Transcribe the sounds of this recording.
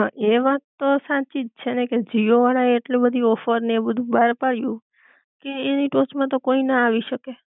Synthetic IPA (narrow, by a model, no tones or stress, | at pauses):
ʔeʋatt̪ːosãt͡ʃid͡ʒt͡ʃʰeneked͡ʒioʋaɽaeeʈlibəd̪ʱiɔfəɾnebəd̪ʱũbaɾpaɽjũ | keeniʈot͡ʃmãt̪̬okoinaaʋiʃəke